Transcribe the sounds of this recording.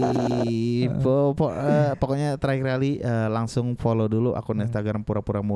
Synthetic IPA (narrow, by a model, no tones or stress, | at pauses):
popɔəpokɔɲat̪ɾaiɾaliəlaŋsʊŋfoloduluʔa̰kunɛs̬t̪aɡɾampuɾapuɾamu